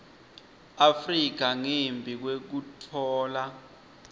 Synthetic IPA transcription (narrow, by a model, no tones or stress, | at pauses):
afrik̬aŋembʱik̬wek̬utʰɔːla